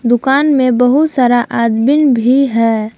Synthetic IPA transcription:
d̪ʊkaːnmẽbəɦʊt̪saːɾaʔaːd̪bɪnbʱiɦɛː

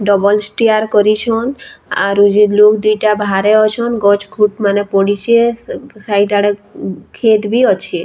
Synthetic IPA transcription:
ɖɔbɔlsʈiaɾkɔɾit͡ʃʰɔna̰ɾud͡ʒilokd̪ujʈabʱaɾeɔt͡ʃʰɔnɡɔt͡ʃkʰuʈmanepɔɽit͡ʃʰesajʈaɽekʰet̪biɔt͡ʃʰi

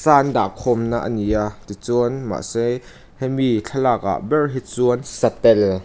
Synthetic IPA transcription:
saːnda̰kʰɔmnaʔəniat̪it͡suənma̰ʔsej | hɛmit͡ɬʰɐlaːk̚a̰ʔbɛrɦit͡suənsɐt̪ɛl

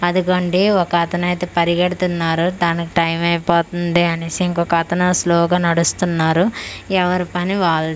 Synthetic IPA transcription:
ɐd̪uɡɐɳɖiɔkɐt̪ɐnɐjt̪eːpɐɾiɡɐɽut̪unːaːɾud̪aːnikiʈɐjmɐjpoːt̪und̪iɐnesiŋkɔkɐt̪ɐnɐsloːɡaːnɐɽust̪unːaːɾuɛʋɐɾipɐniʋaːli

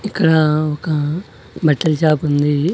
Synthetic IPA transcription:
ɪkɽãːokã | bɐʈːɐlt͡ʃaːpɦʊ̃nd̪iː

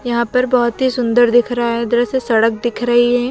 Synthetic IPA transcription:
jɐɦãpɐɾbɐɦʊt̪ɦisʊ̃nd̪əɾd̪ɪkʰɾɐɦaɦɛd̪ɐɾəsesɐɽək̚d̪ɪkʰɾɐɦiɦɛː

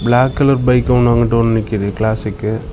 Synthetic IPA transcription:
blaːkːɐlɐɾbɐɪkːɐɐnɐŋɡɐʈːɯɔnɐnɪkːɪðɯklaːsɪkːɯ

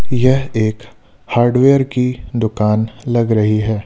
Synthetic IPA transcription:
jɛɦeːk | haːɾɖʋeːəɾkid̪ʊkaːnlɐɡɾɐɦiɦɛː

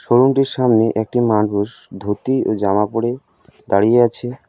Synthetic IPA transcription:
ʃoɾunʈiɾʃamneʔɛk̚ʈimanpuʃ | d̪ʱot̪iod͡ʑamapoɽe | d̪aɽijeat͡ɕʰe

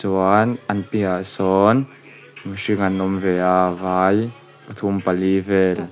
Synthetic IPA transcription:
ɔanɐnpiasɔn | məʃiŋɐnɔmvɛavaj | pɐt̪ʰumpalivɛl

